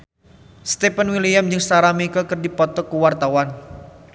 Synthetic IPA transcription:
st̪ɛpənwilijamd͡ʒɨŋsaɾamikəkɨrdipɔt̪ɔkuwart̪awan

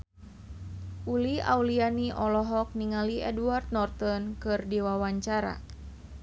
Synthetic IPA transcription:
ʔulia̰ulianiʔɔlɔɦɔk̚niŋaliɛduart̪̚nɔrt̪ɔnkɨrdiwawaɲt͡ʃaɾa̰

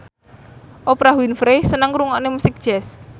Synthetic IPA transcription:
ʔopɾaɦwinfɾesənəŋkɾuŋaʔnemusɪk̚d̥ʒ̥ɛs

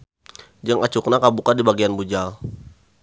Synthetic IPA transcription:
d͡ʒaŋat͡ʃuknakabukadibaɡianbud͡ʒal

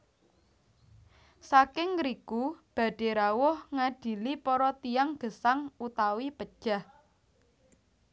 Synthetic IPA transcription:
sakɪŋɾikub̥ä̤ɖ̥e̤ɾawʊhŋaɖ̥i̤lipɔɾɔt̪ijaŋɡ̥əsaŋut̪awipəd̥ʒ̥a̤h

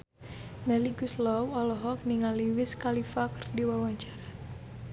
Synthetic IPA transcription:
mɛliɡuslɔwɔlɔɦɔk̚niŋaliwɪskalifakərdiwawaɲt͡ʃaɾa

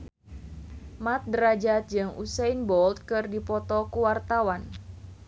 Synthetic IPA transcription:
mat̪̚dəɾad͡ʒat̪̚d͡ʒɨŋṵsɛjnbɔlt̪̚kɨrdipɔt̪ɔkuwart̪awan

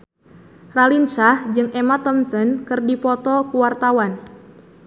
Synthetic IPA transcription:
ralinʃahd͡ʒɨŋʔemat̪ɔmsənkɨrdipɔt̪ɔkuwart̪awan

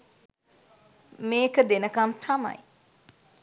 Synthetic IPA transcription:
meːkəd̪enəkɐmt̪ʰɐmɐ̰j

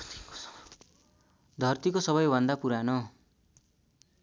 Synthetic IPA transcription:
d̪ʱʌrt̪ikosʌβʌjbʱʌnd̪apuɾano

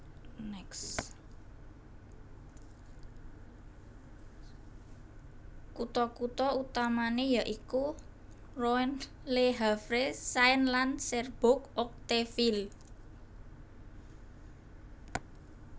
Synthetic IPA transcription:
nɛks | kut̪ɔkut̪ɔut̪amanejaʔiku | rɔɛn | leɦafɾesaɪnlansɛrb̥ok̚ʔɔk̚t̪efil

